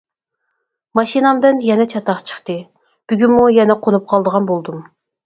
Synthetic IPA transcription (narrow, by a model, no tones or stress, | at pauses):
mɑʃinɑmd̪ɨnjɛnɛt͡ʃʰɑt̪ɑqt͡ʃʰə̥χt̪ɨ | b̥yɡʲynmujɛnɛqʰonup̚qʰɑlˠd̪əʁɑnbolˠd̪um